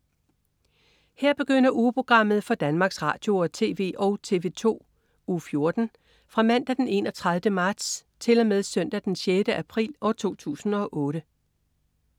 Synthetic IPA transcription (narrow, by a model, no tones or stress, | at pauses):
hɛɐ̰b̥e̝ɡ̥øn̰ɐʔuːpʰo̝ɡ̥ʁɑ̈m̰ð̞̩ˠfɒ̽d̥ænmɑ̈ːɡ̥sʁɑ̰̈ːd̥jo̝ɒt͡sʰe̝ːʋe̝̰ːʔɒʊt͡sʰe̝̰ːʋe̝ːt͡sʰo̝̰ː | uːfjo̝ɐd̥n̩ | fʁɑ̈mæn̰d̥æd̥ene̝nɒ̽t͡sʰʁɑðˠʋdəmɑ̈d̥s | t͡sʰe̝lɒ̽meðˠsœn̰d̥æd̥ensjed̥əʔæpʰʁḭːlɒt͡sʰo̝̰ːt͡sʰṵːsn̩ɒ̽ʔɔ̽ːɾ̥ə